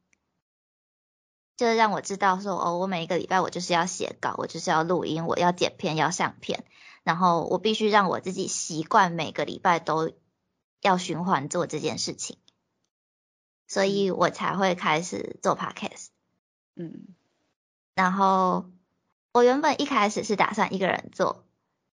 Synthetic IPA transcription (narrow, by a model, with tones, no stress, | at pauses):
t͡ɕjo˥ʊʂ̩˥ɻɑ˥˩ŋwɔ˨˩ʈ͡ʂɻ̩˥t̪ɑ˥˩ʊʂwɔ˥ʔɔ̰˥˩wɔ˧˦me˨˩ɪi˥ɡə˧lḭ˨˩pa˥˩ɪwɔ˨˩t͡ɕjo˥˧ʊʂ̬ɻ̩˥˧jɑ˥˩ʊɕjɛ̰˨˦kɑ̰˨˩ʊwɔ˨˩t͡ɕjo˥ʊʂɻ̩˥˧jɑ˥˧ʊlu˥˩ʔi˦˥nwɔ̰˨˩jɑ˥˩ʊt͡ɕjɛ̰˨˩npʰjɛ˥˧njɑ˥˧ʊɕɑ̰˥˧ŋpʰjɛ̰˥˩n | na˧˥nxo˥˩ʊwʔɔ̰˨˩pi˥˩ɕy˥ɻɑ˥˩ŋwɔ̰˨˩t͡sɹ̩˥˩t͡ɕḭ˨˩ɕi˧˦˥kwa˥˩nme˨˩ɪ˦ɡə˦˧lḭ˨˩pa˥˩ɪt̪o˥ʊ | jɑ˥˩ʊɕy˧˥nxwa˧˦nt͡swɔ˥˧ʈ͡ʂɤ˥˧t͡ɕjɛ̰˥˨nʂɻ̩˥˩t͡ɕʰi˨˩ŋ | swɔ˧˥i˨˩wʔɔ̰˨˩t͡sʰa˧˥ɪxwe˥˩ɪkʰa˥ɪʂɻ̩̰˨˩t͡swɔ˥˩pʰa̰˥kʰɛ̰˥˩s | n̩˥˩ | na˧˥nxo˥˩ʊ | wɔ˨˩ɥɛ˧˥nbə˨˩nʔi˥˩kʰa˥ɪʂɻ̩˨˩ʂɻ̩˥˩t̪a̰˨˩ʂa˥˧nʔi˧˥ɡə˨ɻə̰˧˦nt͡swɔ̰˥˩